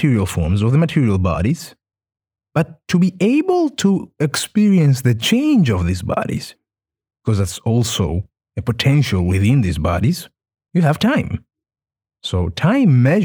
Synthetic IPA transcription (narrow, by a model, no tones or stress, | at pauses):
tʰɪɹil̩ˠfɔ̰ɹmzʌvðəmɨtʰɪɹil̩ˠbɑ̰ɾiz̥ | b̥ʌtʰːɨbiʔeɪbəl̩ˠtʰuɛkspɪɹiɨ̃ns̬ðɨt͡ʃʰẽɪ̃nd͡ʒʌvðizbɑ̰ɾḭz̥ | b̥ikʰʌzðætsɔlˠsoʊ | ɨpɨtʰɛ̃nʃəl̩ˠwɪðɪ̃nðizbɑ̰ɾiz̥ | jɨɨv̥tʰãɪ̃m | soʊtʰãɪ̃mːɛʒ